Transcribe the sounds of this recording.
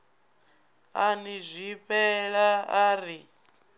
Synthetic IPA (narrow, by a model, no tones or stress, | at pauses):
anizʷipʰɛɺaaːɾi